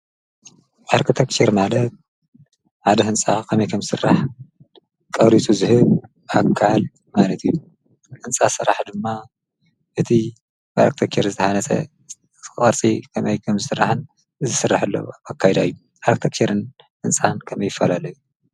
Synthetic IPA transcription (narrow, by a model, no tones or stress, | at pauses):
ʔaɾkʰɨt̪ʰɐkt͡ʃeɾmalɐt̪̚ | ʕad̪ɐɦɨnsʼakʰɐmɐjkʰɐmzɨsɨ̰rːaħ | kʼɐβɾit͡sʼuzɨhɨβ | akʰːal | malɐt̪ʰɨjːu | hɨnsʼasɨɾaħd̪ɨmːa | ʔɨt̪ʰi | baɾɐk̚t̪ʰɐkt͡ʃeɾzɨt̪ʰɐhanɐsʰɐ̰ | χʼɐɾt͡sʼikʰɐmɐjkʰɐmzɨsɨrːaħɨn | ɨzɨsɨrːaħɨlːɐ̰wakʰːajɛd̪ajːu | ʔaɾkt̪ʰekt͡ʃʰeɾɨn | hɨnt͡sʼankʰɐmɐjːɪfːalalɐju